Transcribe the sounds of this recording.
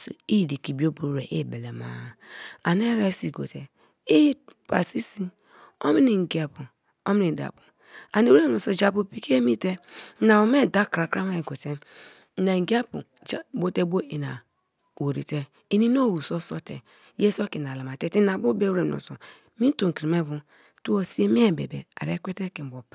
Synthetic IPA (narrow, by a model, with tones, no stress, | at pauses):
so̰˨i˦˨di˨ki˨bi˨˦o˦bo˨˦ɾe˨ʔe˦˨be˨le˨ma̰ː˦˨a˨ne˦ɾa˦si˨ɡo̰˨te˨ | i˦pa˨si˦si˦ | o˦mi˦ni˨ŋ̩˨ɡi˨a˨pu˨ | o˦mi˦ni˨da̰˨pu˨ | a˨ne˨˦u˦ɾe˦m˨o˨so˨d͡ʒa˨pu˨pi˨ke˦mi˦te˦na˨o˨me˦˨da˦kɾa˨kɾa˦ma˦i˨ɡo˨te˦ | na˨ŋ˨ɡi˦a˦pṵ˨ | d͡ʒbo˦te˦bo˦i˨na̰˨ | wo˨ɾḭ˨te˦ | i˦ni˦no˦˨wu˨so˦so˦tḛ˨ | je˦so˦ki˨na˨la˨ma˨te˨ti˦na˨bu˦be˦u˦ɾe˨o̰˨so˨ | mi˦n˦to˨ŋ˨ki˨ɾi˨me˦bu˨ | tu˦o˨si˦e˦m˦e˦˨bḛ˨bḛ˨a̰˨ɾḛ˦kʷe˦te˦ki˨bo˨p